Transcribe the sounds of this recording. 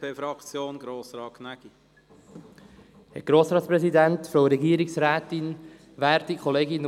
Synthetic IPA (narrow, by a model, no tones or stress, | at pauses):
pʰeːfɾɑkt͡sjoːnɡɾoːsɾɑːkʰnæɡ̥i | hɛ̰ɡ̥ɾoːsɾɑːtspɾɛsidæntfɾoʊɾɛɡiːəɾɪksɾɛːtɪn | væːɾtikʰχoleːɡɪn